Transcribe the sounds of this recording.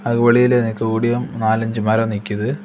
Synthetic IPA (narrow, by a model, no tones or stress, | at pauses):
ɐɣuʋɐɭijilenikːɨuːɽijɐmnaːlɐɲd͡ʑɨmɐɾɐmnikʲːɐðɨ